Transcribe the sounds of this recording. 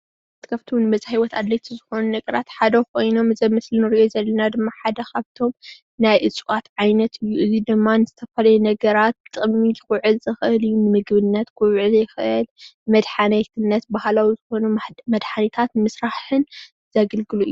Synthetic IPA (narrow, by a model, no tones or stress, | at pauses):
t̪kʰaβt̪ʰiwnɨmɐzhajwɔt̪ad̪lɐjt̪ʰizɨxo̞nunɐɡʼɐɾat̪ħad̪ɐkʰo̞jno̞mɨzɐjmɨslinɨɾiʔozɐlːɐnad̪ɨmːaħad̪ɐkʰaβt̪ʰo̞m | najʔɨt͡sʼwat̪ʕajnɐt̪ʰɨjːuʔɨzid̪ɨmːanɨzɨt̪ʰɐfɐlɐjunɐɡɐɾat̪ʼːɨmːijɪxuʕɨzɨxɨʔɨlɨjːunɨmɨɡbɨnːɐt̪kʰuwʕɨzɐjɪxɨʔɨlɨmɐd̪ħanɐjt̪ʰɨnːɐt̪bahlawizɨxo̞numɐd̪ħanit̪ʰat̪mɨsɾaħɨn | zɐɡɐlɡɨluʔɨ̰jːu